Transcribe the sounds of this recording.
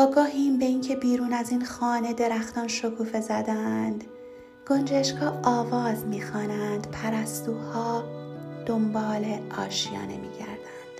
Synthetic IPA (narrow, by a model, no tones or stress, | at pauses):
ɒːɡɒːɦiːmbe̞iːŋcʰe̞biːɾuːnæziːnxɒːne̞d̪e̞ɾæxt̪ɒːnʃo̞kʰuːfe̞zæd̪ænd̪̥ | ɡ̥o̞nd͡ʒeʃkʰɒːʔɒːvɒːzmiːxɒːnænd̪̥pʰæɾæst̪uːhɒːd̪̥o̞mbɒːleʔɒ̰ːʃijɒ̰ːnemḭːɟæ̰ɾd̪ænd̪̥